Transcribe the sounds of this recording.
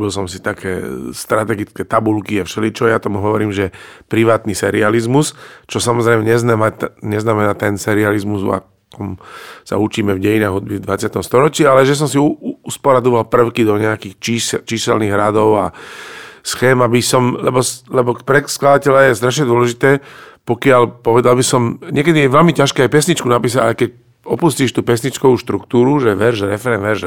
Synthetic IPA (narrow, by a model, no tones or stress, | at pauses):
bils̬ɔmsit̪akɛ̰ːst̪ɾat̪ɛɡit͡skɛt̪abulkiɛfʃɛlit͡ʃɔjat̪ɔmuɦɔʋɔɾiːmʒɛpɾiʋaːt̪nisɛɾializmust͡ʃɔsamɔzɾɛɪmɛɲɛznamaɲɛznamɛnaːt̪ɛnsɛɾializmuza̰ | kɔmsa̰ut͡ʃiːmɛvɟɛjinaːɣɦud̪bivd̪ʋat͡sɪat̪ɔmst̪ɔɾɔt͡ʃialɛʒɛs̬ɔmsiuuspɔɾad̪ɔʋalpr̩ʊkid̪ɔɲɛakiːxt͡ʃiːst͡ʃiːsɛlniɣɾad̪ɔʊa̰ | sxɛːmabisɔmlɛbɔslɛbɔkpɾɛsklad̪acɛʎajɛst̪ɾaʃ̬ɲɛd̪ʊɔlɛʒit̪ɛːpɔkɪalpɔʋɛd̪albisɔmɲɪɛkɛd̪iɛʋɛlmicaʃkɛajpɛsɲit͡ʃkunapiːs̬aɟa̰jkɛc | ɔpusciːʃt̪uːpɛs̬ɲit͡ʃkɔʋuʃt̪ɾukt̪uːɾuʒɛʋɛɾʒɾɛfɛɾɛnʋɛɾʒ